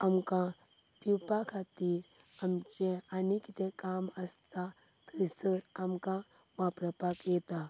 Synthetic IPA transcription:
amkã | pupakʰat̪iːɾ | amt͡ʃeanikit̪ẽkaməst̪a | t̪ʰəsəɾamka | ʋapɾəpakjɛt̪a

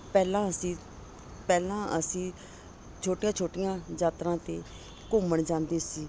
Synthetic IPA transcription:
pɛːlãːəsĩː | pɛːlãːəsĩː | t͡ʃʰoːʈɪjãːt͡ʃʰoːʈɪjãːd͡ʒaːt̪ɾãːt̪eː | kʊməɳd͡ʒãːnd̪eːsiː

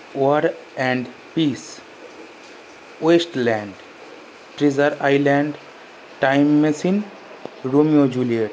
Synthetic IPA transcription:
oɾɛ̃ɳɖ | piːs | wesʈlɛ̃ːɳɖ | ʈɾizəɾaɪlɛ̃ɳɖ | ʈaɪmːẽsĩn | ɾomijod͡ʒulieʈ

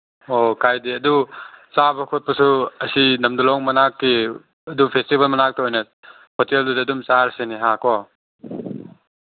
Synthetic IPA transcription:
okʰajdiɐdut͡ʃabɐkʰot̚pɐsuɐsinɐmdulɔŋmɐnakːi | ɐdupʰestibɐlmɐnak̚tɐojnɐ | pʰoteldudɐːdumt͡ʃaɾɐseniɦakɔ

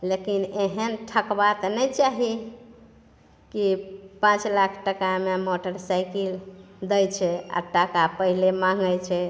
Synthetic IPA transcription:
lekineɦənʈʰəkbat̪nɛjt͡ʃaɦi | kipãt͡ʃlakʰʈəkamemoʈəɾsajkil | d̪əjt͡ʃʰɛa̰ʈakapəɦilemãŋɡəjt͡ʃʰɛ

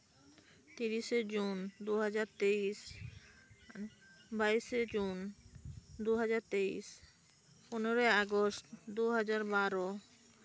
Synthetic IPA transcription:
t̪iɾiʃed͡ʑund̪uɦad͡ʑaɾt̪eis | baised͡ʑun | d̪uɦad͡ʑaɾt̪eḭs | punoɾoeaɡostd̪uɦad͡ʑaɾbaɾo

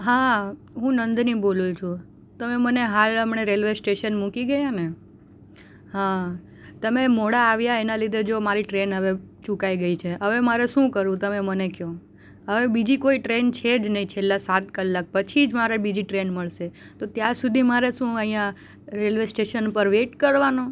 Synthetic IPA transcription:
ɦa | ɦũnənd̪nibolut͡ʃʰũ | t̪əmeməneɦaləmɳeɾelʋesʈeʃənmukiɡəjane | ɦã | t̪əmemoɽaːʋjaenalid̪ʱed͡ʒomaɾiʈɾenɦəʋet͡ʃũkaiɡəit͡ʃʰeəʋemaɾeʃũkəɾũt̪əmemənekjõ | ɦəʋebid͡ʒikoiʈɾent͡ʃʰed͡ʒnəɦĩt͡ʃʰelːasat̪kəlːak̚pət͡ʃʰid͡ʒmaɾebid͡ʒiʈɾenməɭʃet̪ot̪jaɾsud̪ʱimaɾeʃũəĩjã | ɾelʋesʈeʃənpəɾʋeʈkəɾʋano

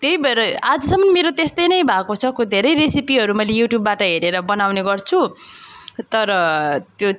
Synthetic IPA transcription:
t̪eɦibʌɾʌad͡zʌsʌmːʌnmeɾot̪est̪ʌjnʌjbʱakot͡sʰʌkod̪ʱeɾʌjresipiɦʌɾumʌjlejuʈjubːaʈʌɦeɾeɾʌbʌnawneɡʌrt͡sʰu | t̪ʌɾʌt̪jo

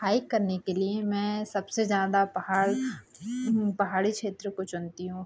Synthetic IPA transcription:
haːɪkːɐɾnekeliemɛ̃ːsɐbsezjaːd̪apɐɦaːɽ | pɐɦaːɽikʃeːt̪ɾəkot͡ʃʊnt̪iɦũː

